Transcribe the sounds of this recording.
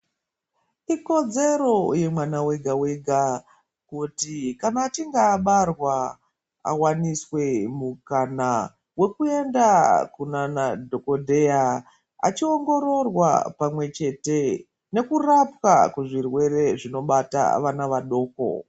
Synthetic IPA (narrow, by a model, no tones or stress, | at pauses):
iko̞d͡ze̞ro̞je̞mwanawe̞ɡʱawe̞ɡʱa | kutikanaːt͡ʃiŋɡaːɓarwa | a̰waniswe̞mukana | we̞kue̞ndakunanadʱo̞ko̞dʱe̞ja | a̰t͡ʃio̞ŋɡo̞ɾo̞rwa̰pamwe̞t͡ʃe̞te̞ | ne̞kurapkakuʐirwe̞re̞ʐino̞ɓata̰ʋanaʋaɗo̞ːko̞̰